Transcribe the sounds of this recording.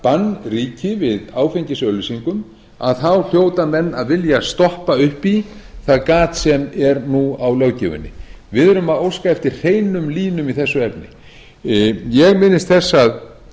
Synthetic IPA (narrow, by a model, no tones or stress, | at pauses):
panːriːcɪvɪðaːwfeɲcɪsœːlʏsiŋkʏm | a̰ðθawl̥joːwt̪amɛnːaðvɪljast̪ɔhpaʏhpiθaðkaːt̪sɛmɛɾnuawlœːwcɪ̰vʏ̰nːɪ̰vɪðœɾʏmaðowskaɛft̪ɪɾ̥r̥eːjnʏmliːnʏmiθɛsːʏɛpnɪ̰ | jɛɣmɪnːɪst̪θɛsːað